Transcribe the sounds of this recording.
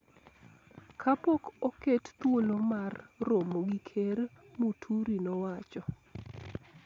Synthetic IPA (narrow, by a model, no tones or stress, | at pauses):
kʰapokokett̪wolomarːomoɡikʰer | mutʰuɾinɔwat͡ʃɔ